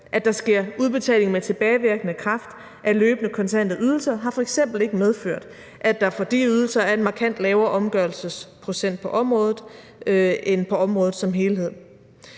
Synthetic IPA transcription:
ʔæd̥ɑ̈sɡ̥e̝ɐ̰uð̞ˠb̥e̝t͡sʰɛ̰ːle̝ŋmet͡sʰe̝b̥ɛːɪʋiɐɡ̥ənəkʰʁɑ̈fd̥ | ʔæløːb̥nəkʰɒ̽nt͡sʰæn̰d̥ð̩ˠyð̞ˠl̩sɐɦɑ̈fɒ̽eɡ̥sem̰b̥l̩e̝ɡ̥əmeð̞ˠføɐ̰d̥ | ʔæd̥ɑ̈fɒ̽d̥ḭːyðˠl̩sɐæɐe̝nmɑ̈kʰæn̰d̥lɛːʊɐːʔɒ̽mɡ̥ɶɐl̩səspʰʁo̝sen̰d̥̚pʰɒ̽ʔɒ̽mʁɔːð̞ˠð̩ˠ | enpʰɒ̽ɒ̽mʁɔ̽ːð̩ˠsɒ̽mɦe̝ːlɦe̝ð̞̰ˠ

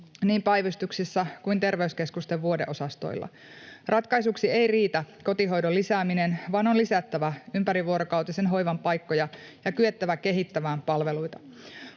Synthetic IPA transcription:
niːmpæjʋyst̪uksisːækuint̪e̞rʋeyske̞skust̪e̞ʋʋuode̞̰ʔo̞sɑst̪o̞̰jlːʔɑ̰ | rɑt̪kɑjsuksie̞jriːt̪ækot̪iɦo̞jdolːisæːminenʋɑːnonlisæt̪ːæʋæympæɾiʋuoɾokɑwt̪ise̞nɦo̞jʋɑmpɑjkːo̞jɑjɑkyet̪ːæʋæke̞ɦit̪ːæʋæːmpɑlʋe̞lujt̪ɑ

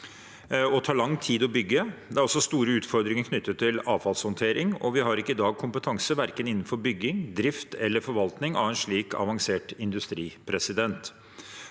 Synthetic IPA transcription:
ɔt̪ʰɑːɭɑŋt̪ʰiːd̪ɔbʏɡːəd̪ɛæɾɔsːɔst̪uːɾəʉːt̪fɔɾd̪ɾɪŋəɾkʰnʏt̪ʰːətt̪ʰːɪlɑːʋfɑlshɔnt̪ʰeːɾɪŋɔ̰ʋɪɦɑɾɪkːəɪd̪ɑːɡ̚kʰʊmpət̪ʰɑŋsəʋæɾkənɪnːn̩fɔɾbʏɡːɪŋd̪ɾɪft̪ɛlːəɾfɔɾʋɑlt̪nɪŋɑ̰ʋɛnʂɭiːkʰɑ̰ʋɑŋseːʈɪnd̪ʉst̪ɾiːpʰɾɛsɪd̪ɛnt̪

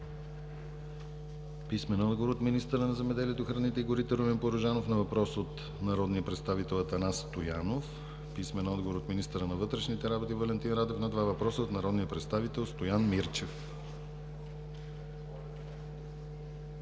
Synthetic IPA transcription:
pismɛnɔd̪ɡovoɾot̪minist̪əɾənɐzɛmɛd̪ɛliɛt̪oxɾɐnit̪ɛiɡoɾit̪ɛɾomɛnpoɾoʒanofnɐvɐpɾɔsot̪ | nɐɾɔd̪nijəpɾɛt̪st̪avit̪ɛlˠɐt̪ɐnast̪ojanof | pismɛnɔd̪ɡovoɾot̪minist̪əɾənɐvɤt̪ɾɛʃnit̪ɛɾabot̪ivɐlɛnt̪inɾad̪ɛfnɐd̪vavɐpɾɔsəot̪nɐɾɔd̪nijəpɾɛt̪st̪avit̪ɛlˠst̪ojanmiɾt͡ʃɛf

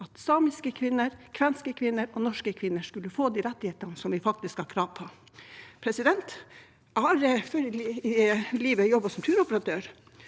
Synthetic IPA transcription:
ɑt̪sɑːmɪskəkʰʋɪnːəɾkʰʋɛnskəkʰʋɪnːəɾɔnɔʂkəkʰʋɪnːəʂkʉləfoːd̪iːɾɛt̪ːɪheːt̪ənəsɔmʋɪfɑk̚t̪ɪskhɑɾkʰɾɑːʋpʰɔ | pʰɾɛsɪd̪ɛnt̪ | ɑɾføɾ | liːʋəjɔbːəsɔmt̪ʰʉːɾɔpəɾɑt̪ʰøːɾ

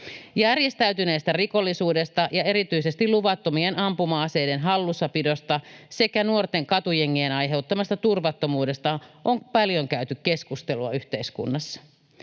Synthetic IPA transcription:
jærje̞st̪æyt̪yneːst̪æriko̞lːisuːde̞st̪ɑjɑe̞ɾit̪yise̞st̪iluʋɑt̪ːomienɑmpumɑːsejdenɦɑlːusːɑpido̞st̪ɑse̞kænuort̪e̞ŋkɑt̪ujeŋːienɑjɦe̞ut̪ːɑmɑst̪ɑt̪urʋɑt̪ːo̞muːde̞st̪ɑʔoŋpɑljo̞ŋkæyt̪ykke̞skust̪e̞luɑ̰yht̪e̞iskṵnːɑsːɑ̥

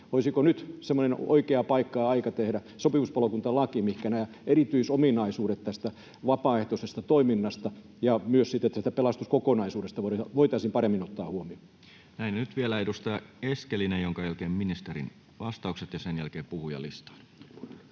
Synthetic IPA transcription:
ʋoisikonyt̪semːoneno̰ikeɑpɑikːɑːɑikɑt̪ehɾæ | sopiʋuspɑlokunt̪ɑlɑkimihkænæjɑ | erit̪yisominɑisuːɾet̪t̪æst̪æ | ʋɑpɑːeht̪osest̪ɑt̪oiminːɑst̪ɑ | jɑmyøssit̪ːet̪ːæsit̪æpelɑst̪uskokonɑisuːɾest̪ɑʋoʋoit̪ɑˑisimpɑremːinot̪ːɑːhuomio | næinenyt̪ʋielæedust̪ɑeskelinejjoŋkɑjælkeːmminist̪erḭn | ʋɑst̪ɑˑukset̪jɑsenjælkeːpuhujɑ̰lḭst̪ɑ̥ːˑn

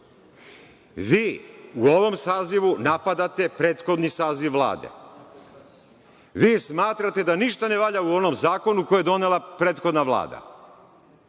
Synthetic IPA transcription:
ʋiːuo̞ʋo̞msaːziʋunapad̪at̪e̞pɾe̞ːt̪xo̞d̪nisaːziʋːlˠa̰ːd̪e̞̰ | ʋiːsmaːt̪ɾat̪e̞d̪aniʃt̪ane̞ʋaʎauo̞no̞mzaːko̞nukojojed̪o̞nelˠapɾeːt̪xo̞d̪naʋlˠa̰ːd̪a̰

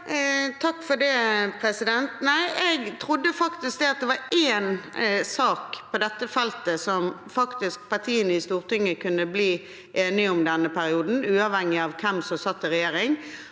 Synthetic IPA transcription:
t̪ʰɑkːfɔɖɛːpʰɾɛsɪd̪ɛnt̪næɪʔɛɡt̪ʰɾʊd̪ːəfɑkt̪ɪsk̚d̪ɛɑt̪̚d̪ɛʋɑɾeːnsɑːkpʰɔd̪ɛt̪ːəfɛlt̪əsɔmfɑkt̪ɪsk̚pɑt̪ʰiːənəɪst̪uːʁt̪ɪŋːəkʰʉnːəbliː | ʔeːnɪʊmd̪ɛnːəpʰæɾɪuːd̪n̩ʉːɑʋhɛŋːɪɑʋkʰɛmsɔsɑt̪ːɪɾɛjeːɾɪŋ

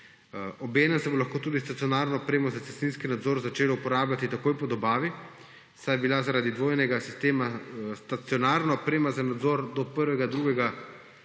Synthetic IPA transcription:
ɔbeːnɛmsɛbolaxkoːt̪uːd̪ist̪at̪sijɔnaːɾnɔːpɾeːmɔzat̪sɛst̪inskinad̪zɔːɾzat͡ʃeːlɔupɔɾaːbljat̪it̪akoːjpɔd̪ɔbaːʋi | sajbilazaɾaːd̪id̪ʋoːjnɛɡasist̪eːmast̪at̪sjɔnaːɾnaɔpɾeːmazanad̪zɔɾd̪ɔpəɾʋɛɡad̪ɾuɡɛɡa

